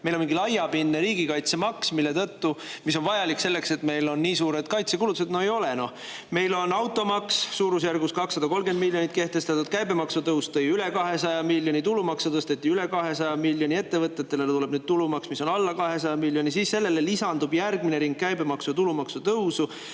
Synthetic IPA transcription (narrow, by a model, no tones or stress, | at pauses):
melo̞miŋɡilɑjːɑbinːeɾiːɡ̥ikɑjt̪semɑksmilːe̞t̪ɤt̪ːumis̬onvɑjɑlikːse̞lːe̞kse̞t̪me̞jlo̞nːiːsuːɾe̞t̪kɑjt̪sekulut̪used̪noejo̞leno̞ | me̞jlo̞nɑwt̪ːˑo̞mɑkssuːɾus̬jærɡuskɑksːɑd̪ɑko̞lɡend̪milːjo̞nit̪̚ke̞ht̪e̞st̪ɑt̪ːˑud̪̥kæjbemɑksut̪ɤwst̪ɤjylekɑɦe̞sɑjɑmilːjo̞nʲit̪ulumɑksut̪ɤst̪et̪ːˑiyle̞kɑɦe̞sɑjɑmilʲjonʲie̞t̪ːe̞vɤt̪ːˑet̪ːelelt̪ule̞b̥nyːd̪̥̚t̪ulumɑksmiso̞nɑlːɑkɑɦe̞sɑjɑmilʲːjo̞nʲisiːsse̞lːe̞lelisɑnd̪ub̥jærɡ̥mineɾiŋɡ̥̚kæjbemɑksut̪ulumɑksut̪ɤwsu